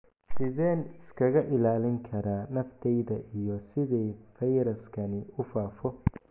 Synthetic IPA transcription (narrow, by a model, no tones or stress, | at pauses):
sɪðɛːnɪskʰɐɣɐʔɪlaːlɪŋkʰɐɾaːnɐft̪ʰɛjðɐʔijɔsɪðɛjfɐjɾɐskʰɐnɪʊfaːfɔ